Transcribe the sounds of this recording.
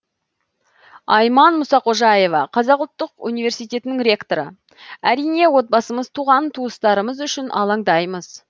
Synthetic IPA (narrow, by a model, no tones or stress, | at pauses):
ɑjmɑnmʊsɑqʰo̞ʒɑje̞vɑqʰɑzɑqʊlˠt̪ːəqunijvʲe̞ɾsijt̪e̞t̪ɪnɪŋɾʲe̞kt̪o̞ɾə̰ | æɾijne̞wo̞t̪̚bɑsəməzt̪ʰuʁɑnt̪ʰuəst̪ɑɾəməzʏʃɪnʔɑ̰lˠɑŋd̪ɑjməz̥